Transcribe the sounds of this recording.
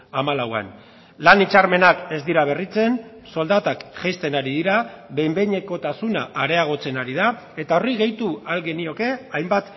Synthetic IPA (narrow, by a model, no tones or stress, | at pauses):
amalawa̰n | lanit͡ʃarme̞nake̞zd̪iɾaβ̞e̞rit͡se̞n | so̞ld̪at̪akʝajst̪e̞naɾiðiɾaβe̞jmbe̞ɲe̞ko̞t̪asunaʔːɾe̞aɣ̞o̞t͡se̞naɾiða | e̞t̪ao̞riɣe̞jt̪ualɣe̞nio̞ke̞ajmbat̪